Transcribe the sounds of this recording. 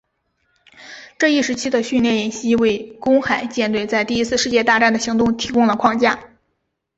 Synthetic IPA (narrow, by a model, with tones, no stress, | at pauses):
ʈ͡ʂɤ˥˧i˥˩ʂɻ̩˧˥t͡ɕʰi˥d̪ə˨ɕy˥˧nljɛ˥˩njɛ˧˥˩nɕi˥we˥˩ɪkʊ˥ŋxa˨˩˦ɪt͡ɕjɛ˥˧nt̪we˥˧ɪt͡sa˥˧ɪt̪i˥˩˧i˥sʰɹ̩˥˧ʂɻ̩˥˧t͡ɕjɛ˥˧t̪a˥˧ʈ͡ʂa˥˩nd̪ə˩ɕi˧˥ŋt̪ʊ˥˧ŋt̪ʰi˧˥kʊ˥˩ŋlə˩kʰwɑ˥˧ŋt͡ɕja˥˩